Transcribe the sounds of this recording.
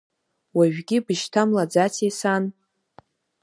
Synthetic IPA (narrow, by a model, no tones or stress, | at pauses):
waʒᶣɡʲɪbɨʃtʰamlad͡zat͡sʰesan